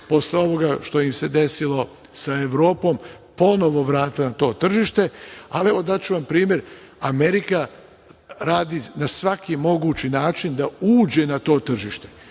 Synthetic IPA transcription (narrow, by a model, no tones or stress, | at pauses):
po̞sleo̞ʋo̞ɡaʃt̪o̞imse̞d̪e̞silo̞ | saeʋɾo̞ːpo̞ːm | po̞no̞ʋo̞ʋɾaːt̪ilanat̪o̞ːt̪r̩ʒiʃt̪e̞alieʋo̞d̪at͡ɕuʋampɾiːmje̞ɾ | ameɾika | ɾaːd̪inasʋakimo̞ɡuːt͡ɕinaːt͡ʃind̪auːd͡ʑe̞nat̪o̞ːt̪r̩ʒiʃt̪e̞̥